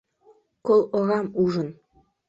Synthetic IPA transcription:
kolˠŏʁɑmuʐɤ̆n

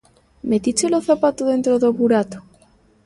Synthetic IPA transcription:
met̪it͡ʃeloθapat̪oðe̞nt̪ɾoðoβuɾat̪o̥

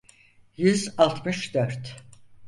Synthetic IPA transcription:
jyzalˠt̪ʰmɯʃd̪øɾt̪

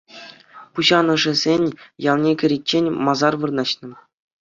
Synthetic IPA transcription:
puɕɑnɤ̆ʐɘ̆zʲenʲjɑlˠnʲekʲɘ̆ɾʲet͡ɕːenʲmɑzɑrʋɯrnɑɕnɤ̆

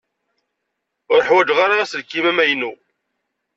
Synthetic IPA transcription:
ʊɾəħwæd͡ʒʁaɾaæsəlkːimæmæjnu

